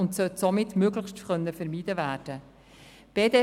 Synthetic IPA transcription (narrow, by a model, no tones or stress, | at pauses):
ʊntsœtsomɪtːmøːɡlɪχʃtχœnːəfɛɾmiːdəvæːɾd̥ə | b̥eːde